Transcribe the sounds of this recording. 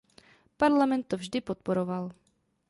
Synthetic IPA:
paɾlamɛnt̪ːovʒdɪpot̪̚poɾoval

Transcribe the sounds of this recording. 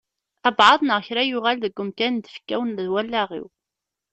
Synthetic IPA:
æbʕɑðˤnəʁçɾæjʊʁælðəɡʷːʊmkænd̪ə̥fkːæwnðwælːæʁḭw

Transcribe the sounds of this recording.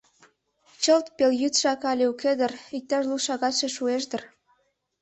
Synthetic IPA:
t͡ɕəlt̪peljyt̪ʃɑkɑlʲeuked̪ə̆rik̚t̪ɑʃluʃɑɣɑt̪ʃeʃueʃ̬d̪ə̆r

